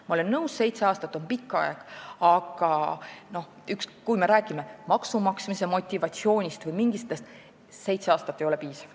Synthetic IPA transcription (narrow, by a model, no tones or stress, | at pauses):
mɑo̞le̞nːɤwsse̞jt̪se̞ɑːst̪ɑt̪ːˑo̞npikˑːɑ̰ɛ̰ɡ̥ɑɡ̥ɑno̞h | ykskujme̞ɾæːkˑime̞mɑksumɑksmise̞mo̞t̪ʲːivɑt̪sio̞ːnʲist̪vɯjmiŋɡ̥ist̪est̪ | se̞jt̪se̞ɑːst̪ɑt̪ːejo̞le̞piːsɑ̥v̥